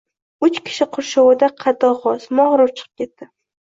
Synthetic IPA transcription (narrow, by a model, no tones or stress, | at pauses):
ʊt͡ʃkʲʰɪ̥ʃɪqʰʊɾʃowɪd̪aqʰɑd̪ɒʁɒsmɒʁɾʊɾt͡ʃʰɨ̥qʰɨ̥p̚kʲʰe̞t̪ːɪ